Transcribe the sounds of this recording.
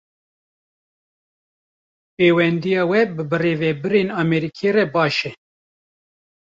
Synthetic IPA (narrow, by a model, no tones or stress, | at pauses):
peːwɛnd̪ijɑːwɛbɨbɨreːvɛbɨɾeːnɑmɛɾikʰerɛbɑːʃɛ